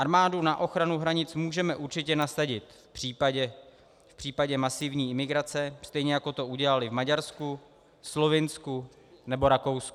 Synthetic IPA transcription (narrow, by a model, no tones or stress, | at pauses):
ʔaɾmaːdunaʔo̞xɾanuɦɾaɲɪt͡smuːʒɛmɛʔuɾt͡ʃɪcɛnasaɟɪt̪ | pr̥iːpaɟɛ | fpr̥iːpaɟɛmasɪvɲiːʔɪmɪɡɾat͡sɛst̪ɛjɲɛjako̞t̪o̞uɟɛlalɪvmaɟaɾsku | slo̞vɪnsku | nɛbo̞ɾako̞wsku